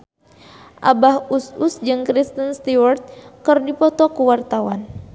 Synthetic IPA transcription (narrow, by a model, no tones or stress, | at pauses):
ʔa̰bahususd͡ʒɨŋkɾist̪ənst̪iwɔrt̪̚kɨrdipɔt̪ɔkuwart̪awan